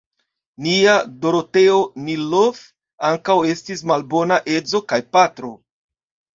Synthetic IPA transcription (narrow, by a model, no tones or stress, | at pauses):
niado̞ɾo̞te̞onilof | aŋkawe̞stismalbo̞naʔe̞d͡zo̞kajpatɾo̞